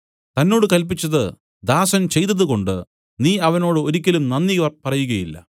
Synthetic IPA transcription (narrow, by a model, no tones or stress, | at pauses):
t̪ɐnːo̞ːɽɨkɐlp̬it͡ɕːɐðɨ | d̪aːsɐnt͡ɕe̞jt̪̬ɐðɨko̞ɳɖɨ̰ | niːɐʋɐno̞ːɽɨo̞ɾikʲːɐlumnɐnːiɣɐrpɐrɐjuɣɐjilːɐ̰